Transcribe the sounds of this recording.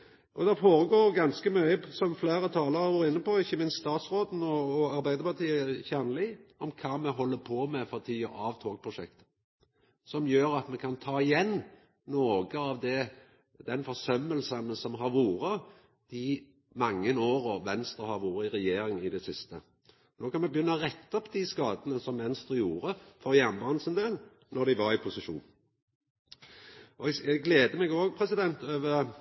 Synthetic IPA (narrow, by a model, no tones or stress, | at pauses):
ʔɔd̪ɛfoːɾəɡoːɾɡɑnskəmœʏəsɔmfleːɾət̪ʰɑːləɾɑʋoːɾəɪnːəpɔɪçːəmɪnst̪st̪ɑːt̪sɾoːd̪n̩ɔːɑɾbæɪd̪əpɑʁt̪ʰiːəəçænəlɪɔmkʰɑːmɛɦɔlːəpʰɔːmɛfɔɾt̪ʰiːəɑʋt̪ʰoːɡ̚pʰɾʊʂɛkt̪ə | sɔmjøːɾɑt̪mɛkʰɑnt̪ʰɑːɪjɛnː | oːɡəɑʋd̪ɛ | d̪̥ɛnfɔsœmːəlsənəsɔmɦɑɾʋuːɾə | d̪̥ɪ | mɑŋːənoːɾɔʋɛnst̪ɾʁəhɑʋuːɾəɪɾɛjeːɾɪŋɪd̪ɛsɪst̪ə | noːkʰɑnmɛbjʏnːəɔʁɛt̪ːɔpːd̪iskɑːd̪ənəsɔmmɛnst̪ʁəjuːɾəfɔʁjæʁnbɑːnsənd̪eːl | nɔd̪ɪʋɑɾɪpʰʊsɪʃṵːn | ɔɛɛɡɡleːd̪əmɛɡoːɡ̚pʰɾɛsɪd̪ɛnt̪øːʋə